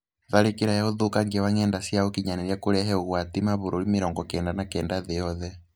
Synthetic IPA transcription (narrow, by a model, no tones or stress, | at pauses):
ðaɾekiɾajaoðukaŋɡiwaŋɛndasiaokiɲanɛɾjakuɾɛɦɛuɣwatimaβuɾolimeɾɔŋɡɔkɛːndanakɛːndaðejɔðɛ